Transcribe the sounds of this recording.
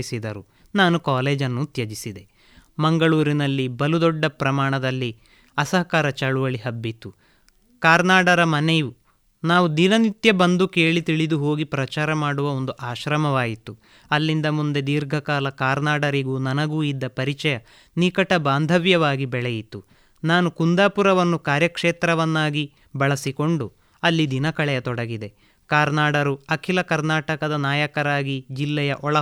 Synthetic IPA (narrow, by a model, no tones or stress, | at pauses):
isid̪ɐɾu | naːnukaːleːd͡ʒɐnːut̪jɐd͡ʒisid̪e̞ | mɐŋɡɐɭuːɾinɐlːibɐlud̪ɔɖːɐpɾɐmaːɳɐd̪ɐlːi | ɐsɐɦɐkaːɾɐt͡ʃɐɭuʋɐɭiɦɐbːit̪u | kaːɾnaːɽɐɾɐmɐneju | naːʋud̪inɐnit̪jɐbɐnd̪uke̞ːɭit̪iɭid̪uɦo̞ːɡipɾɐt͡ʃaːɾɐmaːɽuʋɐond̪uʔaːʃɾɐmɐʋaːjit̪u | ɐlːind̪ɐmund̪e̞d̪iːɾɡʱɐkaːlɐkaːɾnaːɽɐɾiɡuːnɐnɐɡuːid̪ːɐpɐɾit͡ʃɐjɐ | nikɐʈɐbaːnd̪ʱɐʋjɐʋaːɡibɛɭɛjit̪ːu | naːnukund̪aːpuɾɐʋɐnːukaːɾjɐkʂeːt̪ɾɐʋɐnːaːɡi | bɐɭɐsiko̞ɳɖu | ɐlːid̪inɐkɐɭɛjɐt̪ɔɽɐɡid̪e̞ | kaːɾnaːɽɐɾuɐkʰilɐkɐɾnaːʈɐkɐd̪ɐnaːjɐkɐɾaːɡid͡ʒilːɛjɐʔɔɭɐ